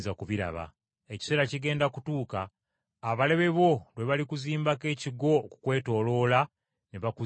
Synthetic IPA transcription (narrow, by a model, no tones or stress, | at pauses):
zakuβiɾa̰βa̰ | eci̥se̞ːɾaciɡe̞ːndakutuːkaː | βale̞βe̞βo̞lweβalikuziːmbake̞ːciɡo̞ːkukwe̞ːto̞ːlo̞ːla | neβaku